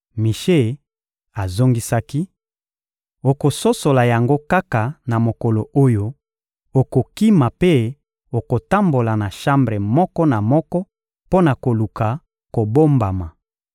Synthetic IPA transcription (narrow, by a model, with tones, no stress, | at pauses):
mi˨ʃe˦ | a˨zo˦ŋɡi˦sa˦ki˦ | o˨ko˨so˦so˨la˨ja˨ŋɡo˦ka˦ka˨na˨mo˨kɔ˨lo˨ʔo˦jo˦ | o˨ko˨ki˦ma˨pe˦ | o˨ko˨ta˦mbo˨la˨na˨ʃa˦mbʁe˨mɔ˦kɔ˦na˨mɔ˦kɔ˦ | po˦na˨ko˨lu˨ka˨ | ko˨bo˦mba˨ma˨